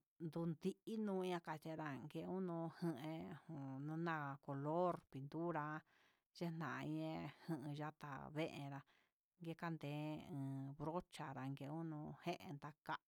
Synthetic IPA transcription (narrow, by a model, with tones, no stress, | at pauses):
nd̪u˧nd̪i˧˦ʔi˦nũː˦˧i˧˦ã˧ka˧t͡ʃe˧ɾa˧ŋɡe˧˦u˦nũ˧hɨ̃˧ʔẽ˧hũ˨nũ˦nã˦˧ko˨lo˦ɾpi˧nd̪u˦ɾa˧ | t͡ʃe˦n̥ã˨˧ĩ˦ẽ˧hɨ̃˧ʔɨ̃˧ʒa˦t̪a̰˨βe˦ʔḛ̃˧ɾa˧ | ŋɡe˦ka˦nd̪ẽː˨˦ɨ̃ː˨βɾo˦t͡ʃa˧ɾa˨ŋɡe˧u˦nũ˧hẽ˦ʔḛ̃˧nd̪a˧ka˦ʔ